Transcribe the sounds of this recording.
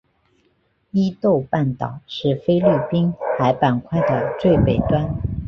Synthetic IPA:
i˥t̪o˥˧ʊpa˥˩nt̪ɑ̰˨˩˦ʊʂɻ̩˥˩fe˥ɪli˥˩pi˥nxa˧˥ɪpa˨˩nkʰwa˥˩ɪd̪ə˩t͡swe˥˩ɪpe˨˩ɪt̪wa˥n

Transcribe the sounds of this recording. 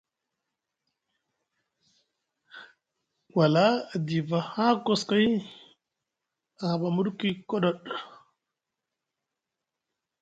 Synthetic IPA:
wa˨la˦a˨di˨va˨ha˦ko˨ska˦j | a˨ha˨ɓa˨mu˦ɗki˦kɔ˦ɗɔ˦˨ɗ

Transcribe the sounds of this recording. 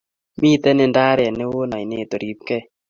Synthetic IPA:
mi˦˨t̪ɛ˦nɪ˦nda˦ɾɪ˨a˨nɪ˦wo˦na˨i˨ne˦˨t̪o˨ɾi˨p̚kɛ˦

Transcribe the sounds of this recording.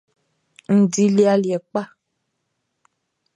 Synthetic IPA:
n̩˨di˦li˦a˦ljɛ˨k͡pa˦˨

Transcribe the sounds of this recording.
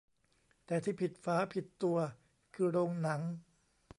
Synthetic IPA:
t̪ɛː˨˩t̪ʰiː˥˩pʰi˨˩t̪̚faː˦˥pʰi˨˩t̪ːu˧ɐ | kʰɯː˧ɾoː˧ŋna˩˦ŋ

